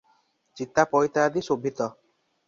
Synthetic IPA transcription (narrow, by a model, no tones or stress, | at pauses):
t͡ʃit̪ːapɔjt̪ad̪isobʱit̪ɔ